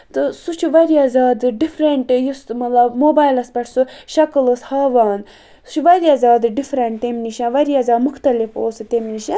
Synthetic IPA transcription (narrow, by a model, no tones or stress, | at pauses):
t̪ɨsut͡ʃʰiʋɐɾiazaːd̪ɨɖifɾeɳʈjusmɐt̪lɐbmoːbaːjlɐspɐʈʰsuʃɐkɨləshaːʋaːn | su̥t͡ʃʰuʋɐɾiaːzaːd̪ɨɖifɾɐɳʈ̚t̪emniʃãːʋɐɾiaːzaːd̪mʊxt̪ɐlifoːsɨt̪emniʃã